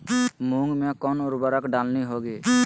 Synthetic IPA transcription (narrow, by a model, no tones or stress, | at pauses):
mũŋɡmẽkɔːnɔːɾbəɾəkɖaːlniɦoːɡeː